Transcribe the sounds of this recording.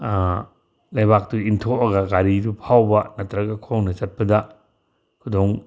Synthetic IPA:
lɐjbak̚tuintʰoɐɡɐɡaɾiɾupʰawbɐnɐtɾɐɡɐkʰownɐt͡ʃɐt̚pɐdɐ | kʰudoŋ

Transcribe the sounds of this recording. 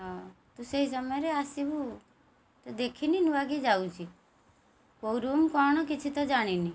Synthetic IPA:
ɔt̪useɦis̬əmɔjɾeasibu | t̪ɔd̪ekʰininuaɡid͡ʒaut͡ʃʰi | koɾumkɔɽ̃ɔkɪt͡ʃʰit̪ɔd͡ʒaɽ̃ini

